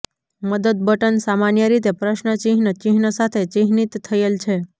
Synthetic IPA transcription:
məd̪əd̪̚bəʈənsamanjəɾit̪epɾəʃnət͡ʃiɦnət͡ʃiɦnəsat̪ʰet͡ʃiɦnit̪ʰːəjelt͡ʃʰe

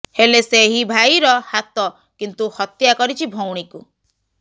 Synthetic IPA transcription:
heleseɦibʱajɾɔhat̪ɔ | kint̪uhɔt̪jakɔɾit͡ʃʰibʱowɽ̃iku

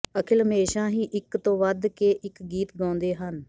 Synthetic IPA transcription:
əkʰɪləmeːʃãːɦĩːʔɪkt̪õːʋəd̪keːʔɪkɡiːt̪ɡãːnd̪eːɦən

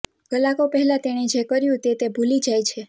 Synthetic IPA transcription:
ɡ̥əlakopəɦɛlat̪eɽ̃id͡ʒekəɾjũt̪et̪ebʱulid͡ʒajt͡ʃʰe

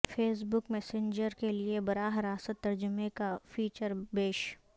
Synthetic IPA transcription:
fʰeːs̬bʊkmɛːsẽɲd͡ʒəɾkeliebɐɾaːɦəɾaːsət̪ːɐɾd͡ʒʊmẽkafʰiːt͡ʃəɾbeːʃ

